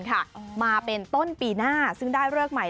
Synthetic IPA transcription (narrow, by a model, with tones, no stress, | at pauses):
nkʰa˥˩maː˧pe˧nt̪o˥˩npiː˧naː˥˩sɯ˥˩ŋdaː˥˩jɾɯ˥˩ək̚ma˨˩˦j